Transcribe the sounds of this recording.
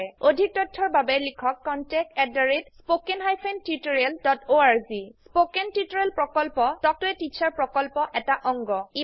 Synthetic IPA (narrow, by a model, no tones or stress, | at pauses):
odʱik̚tɔtʰːɔɹbabɛlikʰɔkːɔntɛk̚tɛdaɹetspokenɦajpʰentutoɹialdɔtoaɹzispokɛntutoɹɛlpɹɔkɔlpɔtɔk̚tʊɛtit͡ʃaɹpɹɔkɔlpɔʔɛtaʔɔŋɡɔi